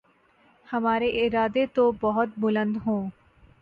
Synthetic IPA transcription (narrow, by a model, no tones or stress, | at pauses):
hɐmaːɾeʔɪɾaːd̪et̪obɐɦʊt̪̚bʊlə̃nd̪ɦõː